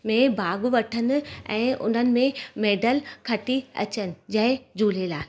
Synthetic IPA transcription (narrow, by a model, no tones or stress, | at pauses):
mẽbʱaːɡʊʋɐʈʰənɪ̆ɛ̰̃ːʔʊ̰n̤ənɪ̆mẽmeːɖəlkʰɐʈiɐ̰t͡ɕənɪ̆d͡ʑɐɦɪ̃d͡ʑuːlelaː